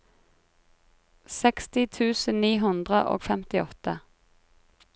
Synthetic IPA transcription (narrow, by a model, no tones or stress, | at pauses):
sɛkst̪ɪt̪ʰʉːsənniːɦʉnd̪ʁəʔo̰ːɡfɛmt̪ɪɔt̪ə